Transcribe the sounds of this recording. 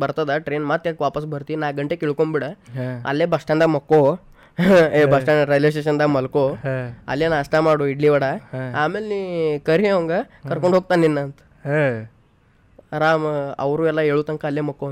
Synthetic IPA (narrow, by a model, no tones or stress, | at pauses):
bəɾt̪ad̪aʈɾenmat̪jakʋapəsbʱəɾt̪iːnaɡʱəɳʈekiɭkombiɽəa̰lːebʱəsʈãnd̪aməkːo | ebʱəʂʈãnɾelesʈeɕ̬ənd̪aməlkoa̰ljanasʈamaɽuiɽliʋəɽaamelnikəɾioŋɡakəɾkoɳɖʱok̚t̪anːinːant̪ | ɾamə̰wɾuʋjɛlaeɭut̪əŋkaːljeməkːo